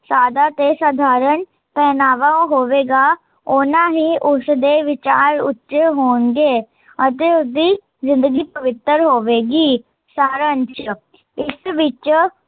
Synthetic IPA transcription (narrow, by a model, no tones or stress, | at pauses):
saːd̪aːt̪eːsaːd̪ʱaːɾən | pɛːnaːʋaːõɦoːʋeːɡaː | onãːɦiːʔʊsd̪eːʋɪt͡ʃaːɾʊ̰tːʃɦoːnɡeː | ət̪eːʊsd̪iː | zɪ̃nd̪əɡiːpəʋɪt̪əɾɦoːʋeːɡiː | saːɾənt͡ʃ | ɪsʋɪt͡ʃ